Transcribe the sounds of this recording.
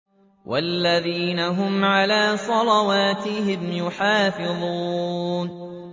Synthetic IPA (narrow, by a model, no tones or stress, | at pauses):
wʔalːaðiːnaɦʊmʕalaːsˤɑlɑwaːt̪ɪɦɪmjʊħaːfɪðˤuuːn